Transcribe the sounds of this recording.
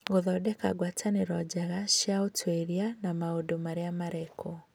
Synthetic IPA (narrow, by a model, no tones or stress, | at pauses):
ɡoðɔdɛka̰ɡwatʰaneɾɔd͡ʒaɣaʃaotʰweɾianamaodomaɾeamaɾɛkʰɔ